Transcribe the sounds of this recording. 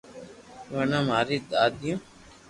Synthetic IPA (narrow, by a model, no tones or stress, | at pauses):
ʋanãːmaːɾiːd̪aːd̪ijõː